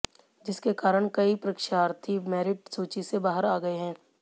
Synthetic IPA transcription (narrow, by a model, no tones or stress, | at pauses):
d͡ʒɪskekaːɾəɽ̃kɐipɾɐkʃaːɾt̪ʰimɛːɾɪʈ̚soːt͡ʃisebaːɦəɾaːɡɐeɦɛ̃ː